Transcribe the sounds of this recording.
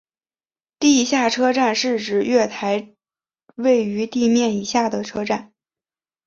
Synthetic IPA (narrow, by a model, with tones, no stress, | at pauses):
t̪i˥˧ɕja˥˩ʈ͡ʂʰɤ˥ʈ͡ʂa˥˧nʂɻ̩˥˩ʈ͡ʂɻ̩˧˩˥ɥɛ˥˩t̪ʰa˧˥ɪ | we˥˩ɪy˧˥t̪i˥˧mjɛ˥˩ni˧˥ɕja˥˩d̪ə˩ʈ͡ʂʰɤ˥ʈ͡ʂa˥˩n